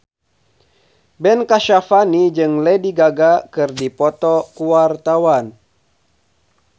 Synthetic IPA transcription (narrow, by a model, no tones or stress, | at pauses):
bɛnkaʃafanid͡ʒɨŋlɛdiɡaɡakɨrdipɔt̪ɔkuwart̪awan